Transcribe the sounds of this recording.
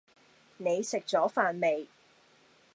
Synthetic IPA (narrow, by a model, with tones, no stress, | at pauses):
ne˨˧jsɪ˨k̚t͡sɔː˨˥faː˨nme˨j